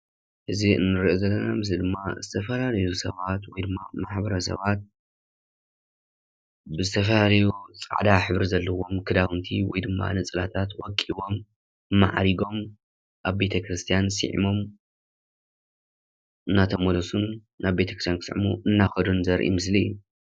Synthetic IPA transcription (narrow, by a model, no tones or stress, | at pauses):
ʔɨziɨ̰nːɨɾiʔozɐlːɐna̰mɨs̬id̪ɨmːazɨt̪ʰɐfɐlalɐjusɐβat̪wɔjd̪ɨmːamaħbɐɾɐsɐ̰βat̪̚ | bɨzɨt̪ʰɐfɐlalɐjut͡sʼa̰ʕd̪aħɨβɨɾzɐlːɐwo̞mkʰɨd̪awɨnt̪ʰiwɔ̰jd̪ɨmːa̰nɨt͡sʼɨlat̪ʰat̪wɔkʼːiβo̞m | ɨmːaʕa̰ɾiɡo̞m | ʔaβbe̞t̪ʰɐkɾɨst̪ʰijansɨ̰ʕḭmo̞m | ɨnːat̪ʰɐmolosunː | aβbe̞t̪ʰɐkɾɨst̪jankʰɨsʕmuʔɨnːaxɐd̪unzɐɾʔḭmɨs̬liju